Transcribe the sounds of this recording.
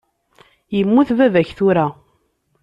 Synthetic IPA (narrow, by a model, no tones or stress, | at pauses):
jəmːuθvævæçθuɾa